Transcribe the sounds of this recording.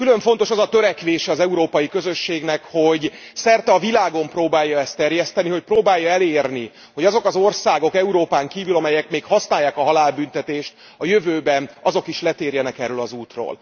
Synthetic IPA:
kyløɱfo̞nt̪o̞ʃɒzɒt̪ø̞ɾɛkʋeːʃɛɒzɛuɾoːpɒjikøzøʃːeːɡnɛkho̞ɟ | sɛrt̪ɛɒvilaːɡo̞mproːbaːjːɒɛst̪ːɛrjɛst̪ɛniɦo̞c̚proːbaːjːɒɛleːrni | ho̞ɟɒzo̞kɒzo̞rsaːɡo̞kɛuɾoːpaːŋkiːvylɒmɛjɛkmeːkhɒsnaːjːaːkɒɦɒlaːlbynt̪ɛt̪eːʃt̪̚ | ɒjøvøːbɛnɒzo̞kiʃlɛt̪eːrjɛnɛkɛrːølɒzuːt̪ro̰ːl

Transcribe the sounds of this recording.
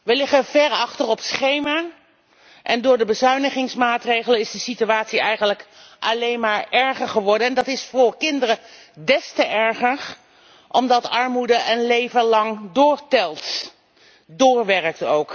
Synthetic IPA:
ʋəlɪχəvɛɹɑχtərɔpsχejmaː | ʔɛndʊːɹdəbəzœɥnəχɪŋsmaːtrejχələnɪzdəsityaːtsiɛjχənləkʔɑlejnmaːɹɛɹχəɹχəʋɔɹdənɛndɑtɪsfʊːɹkɪndərə | dɛstəʔɛɹχəɹ | ʔɔmdɑtɑɹmudəʔənlejvəlɑŋdʊːɹtɛlˠt | dʊːɹʋɛrək̚towk

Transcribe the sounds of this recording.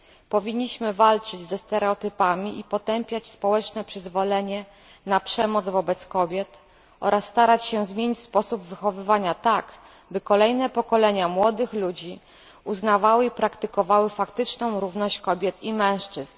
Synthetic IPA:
pɔvʲiɲːiɕmɘvalt͡ʂɘd͡ʑzɛst̪ɛɾɛɔt̪ɘpamʲiʔipɔt̪ɛmpʲjat͡ɕspɔwɛt͡ʂnɛpʂɘzvɔlɛɲɛ | napʂɛmɔd̪zvɔbɛt̪skɔbʲjɛt̪ | ɔ̰ɾʔasːt̪aɾat͡ɕɕɛzmʲjeɲit͡ɕʲspɔsubvɘxɔvɘvaɲat̪ak | bɘkɔlɛjnɛpɔkɔlɛɲamwɔd̪ɘxlud͡ʑi | uznavawɘipɾakt̪ɘkɔvawɘfakt̪ɘt͡ʂnɔ̃w̃ɾuvnɔɕt͡ɕkɔbʲjɛt̪ʰimɛ̃w̃ʂt͡ʂɘzn

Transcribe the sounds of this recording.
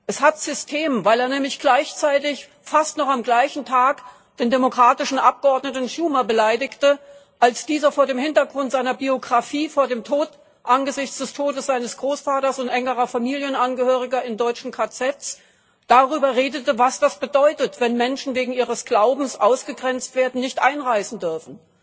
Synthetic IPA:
ʔɛshatz̥ʏstʰeːmvaɪleːɐnɛːmlɪçɡ̥laɪçt͡saɪtɪç | fastnɔχamɡlaɪçn̩tʰaːk | d̥eːndemokʁ̥aːtɪʃn̩ʔap̚ɡ̥əɔɐdnətn̩ʃuːmɐbəlaɪdɪçtə | ʔalsd̥iːzɐfoːɐdeːmhɪntɐɡʁʊntz̥aɪnɐbioɡʁafiːfoːɐdeːmtʰoːt | ʔanɡəzɪçt͡sd̥ɛstʰoːdəsz̥aɪnəsɡ̥ʁoːsfaːtɐsʊntʔɛŋəʁɐfamiːljənanɡəhøːʁ̞ɪɡɐɪndɔʏt͡ʃn̩kʰat͡sɛtt͡s | d̥aʁyːbɐʁeːdətəvasd̥asb̥ədɔʏtətv̥ɛnmɛnʃn̩veːɡŋ̩iːʁəsɡ̥laʊbm̩sʔaʊsɡ̥əɡʁɛnt͡stv̥eːɐdn̩nɪçtʔaɪnʁaɪsn̩dʏɐfn̩

